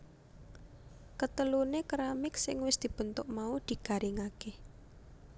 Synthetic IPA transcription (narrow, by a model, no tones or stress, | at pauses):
kət̪əlunekəɾamɪksɪ̰ŋwɪsd̪̥i̤b̥ə̤nt̪ʊʔmaud̪̥i̤ɡ̥a̤ɾʔiŋake